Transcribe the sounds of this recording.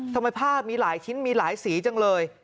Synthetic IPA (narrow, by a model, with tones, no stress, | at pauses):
t̪ʰa˧mːa˧pʰaː˥˩p̚miː˧laː˩˦jt͡ɕʰi˦˥nmiː˧laː˩˦jsiː˩˦t͡ɕa˧ŋlɤː˧j